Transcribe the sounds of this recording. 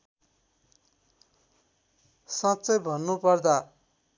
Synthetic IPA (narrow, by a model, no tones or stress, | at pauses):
sãtt͡sʌjbʱʌnːupʌrd̪a